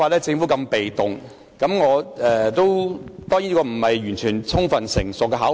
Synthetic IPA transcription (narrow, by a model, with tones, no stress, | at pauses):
aː˨lɛː˥t͡sɪ˧ŋfu˨˥kɐ˧mpe˨jt̪ʊ˨ŋ | kɐ˨˥mŋɔː˨˧ɛː˨t̪o˥wt̪ɔː˥ŋji˨˥nː˥kɔː˧m̩˨˩hɐ˨jjyː˨˩nt͡ʃʰyː˨˩nt͡sʰʊ˥ŋfɐ˨nsɪ̰˨˩ŋsʊ˨k̚ːɛ˧ɦaː˨˥